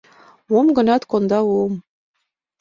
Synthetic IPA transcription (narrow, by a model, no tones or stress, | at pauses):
womɡɤ̆nɑt̪kond̪ɑwom